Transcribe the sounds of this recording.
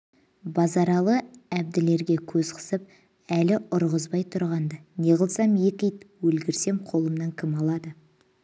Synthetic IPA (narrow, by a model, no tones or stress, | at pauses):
bɑzɑɾɑlˠəæb̚d̪ɪle̞ɾɡʲe̞kʲʰɵzqʰə̥səp̚ | ælɪʊɾʁəzbɑjt̪ʰʊɾʁɑnd̪ɑne̞ʁəlˠsɑmjekʲijt̪wɵlɡʲɪɾse̞mqʰo̞lˠəmnɑŋkʲʰɪmɑlˠɑd̪ə